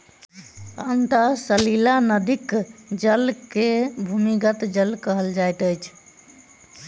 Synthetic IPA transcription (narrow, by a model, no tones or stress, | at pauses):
ənt̪əsəlilanəd̪ikd͡ʒəlkebʱumiɡət̪d͡ʒəlkəɦəld͡ʒajt̪əjt͡ʃʰ